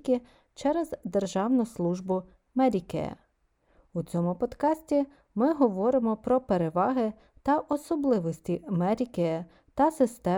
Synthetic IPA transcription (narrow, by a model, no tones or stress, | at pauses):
kʲi | t͡ʃɛɾezd̪erʒɑwnʊslˠuʒbʊ | mɛɾʲikɛ̰ɛ̰ | ut͡sʲɔmʊpɔd̪kɑsʲtʲi | mɪɦɔʋɔɾɪmɔpɾɔpeɾeʋɑɦɪ | t̪ɐʔɔsɔblˠɪʋɔsʲtʲimɛɾʲikɛ | t̪ɐsɪst̪ɛ